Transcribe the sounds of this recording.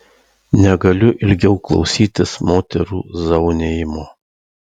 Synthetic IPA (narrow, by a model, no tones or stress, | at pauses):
nʲɛɡɐlʲʊʔɪlʲɡʲɛʊklˠɒ̰ʊsʲiːt̪ʲɪsmoːt̪ʲɛɾṵːzɐʊnʲeːjɪmoː